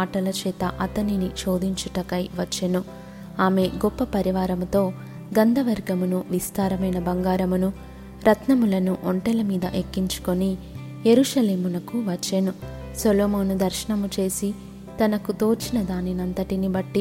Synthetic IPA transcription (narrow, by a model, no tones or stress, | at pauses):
aːʈɐlɐt͡ʃɛːt̪ɐʔɐt̪ɐniniʃo̞ːd̪iɲt͡ʃuʈɐkɐjʋɐt͡ʃːenu | aːme̞ɡɔpːɐpɐɾiʋaːɾɐmut̪o̞ː | ɡɐnd̪ʱɐʋɐɾɡɐmunuʋist̪aːɾɐmɐjnɐbɐŋɡaːɾɐmunu | ɾɐt̪nɐmulɐnuʔoɳʈɛlɐmiːd̪ɐʔekːiɲt͡ʃu̥ko̞ni | jeɾuːʃɐleːmunɐkuʋɐt͡ʃːenu | sɐloːmɐːnud̪ɐɾʃɐɳɐmut͡ʃe̞ːsi | t̪ɐnɐkut̪o̞ːt͡ʃinɐd̪aːninɐnt̪ɐʈinibɐʈːi